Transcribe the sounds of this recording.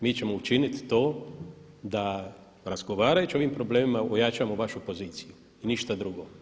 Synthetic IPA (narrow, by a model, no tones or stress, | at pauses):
miːt͡ɕe̞mo̞ut͡ʃinit̪ːo̞ː | d̪a | ɾazɡo̞ʋaːɾajut͡ʃio̞ʋimpɾo̞ble̞ːmimaojat͡ʃamoʋaʃupo̞ziːt̪siju | iniʃt̪ad̪ɾuɡo̞